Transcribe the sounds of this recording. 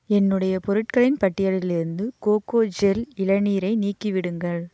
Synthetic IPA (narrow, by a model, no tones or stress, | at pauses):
ɛnːɯɽɐjɐpɔɾɯʈ̚kɐɭɪnpɐʈːɪjɐɭɪlɪɾɯnd̪ɯkoːkoːd͡ʒɛlɪɻɐniːɾɐɪniːkːiʋɪɽɯŋɡɐɭ